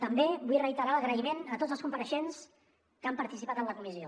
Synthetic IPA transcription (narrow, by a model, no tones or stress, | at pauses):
t̪əmbebujrəit̪əɾaləɣɾəimenət̪od͡zəlˠskumpəɾəʃens | kampəɾt̪isipat̪ənləkumizio